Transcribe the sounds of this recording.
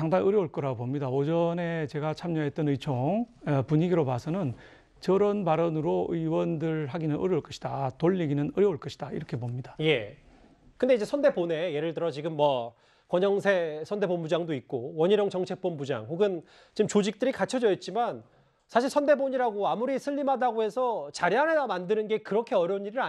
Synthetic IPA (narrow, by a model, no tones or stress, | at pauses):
aŋdaŋɯɾjʌuɭk͈ʌɾaɡobomɲidaod͡ʑʌne̞t͡ɕe̞ɡat͡ɕʰamɲʌɦe̞t͈ʌnɯit͡ɕʰoŋpuɲiɡiɾopasʰʌnɯn | t͡ɕʌɾʌnpaɾʌnɯɾoɯiwʌndɯɭɦaɡinɯnɯ̰ɾjʌuɭk͈ʌɕʰi̥datoʎːiɡinɯnɯɾjʌuɭk͈ʌɕʰidaḭɾʌkʰe̞bomɲidaje̞ | kɯnde̞id͡ʑe̞sʰʌndebone̞je̞ɾɯɭtɯɾʌt͡ɕiɡɯmːʌ | kwʌɲʌŋsʰe̞sʰʌnde̞bonbud͡ʑaŋdoit̚k͈owʌɲiɾjʌŋt͡ɕʌŋt͡ɕʰe̞k̚p͈onbud͡ʑa̰ŋhoɡɯn | t͡ɕiɯmt͡ɕod͡ʑik̚t͈ɯɾikat͡ɕʰʌd͡ʑʌit̚t͡ɕ͈iman | sʰaɕʰiɭsʰʌnde̞boɲiɾaɡoamuɾisʰɯʎːimadaɡoɦe̞sʰʌt͡ɕaɾjanɦedamandɯnɯnɡe̞kɯɾʌkʰe̞ʌɾjʌuɲːiɾɯɭa